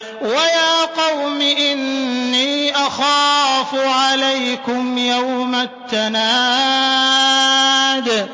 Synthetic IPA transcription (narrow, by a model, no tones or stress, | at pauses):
wajaːqɑwmɪʔɪnːiːʔɑxaːfʊʕalajkʊmjawmat̪ːanaː | d̪